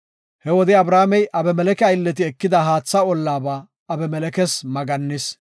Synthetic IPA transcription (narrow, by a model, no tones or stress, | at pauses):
hɛwɔd̪ɪɐbɾaːmɛjʔɐbɛmɛlɛkɛɐjlːɛt̪̬ɪɛkːɪd̪ɐɦaːt͡sːɐɔlːaːbaː | ɐbɛmɛlɛkɛsmɐɡɐnːɪs